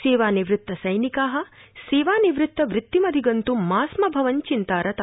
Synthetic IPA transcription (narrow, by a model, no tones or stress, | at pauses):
seːʋaːniʋɾɪt̪ːɐsɐjnikaːɦɐ̆ | seːʋaːniʋɾɪt̪ːɐʋɾɪt̪ːimɐd̪ʱiɡɐnt̪umaːsmɐbʱɐʋɐɲt͡ʃint̪aːɾɐt̪a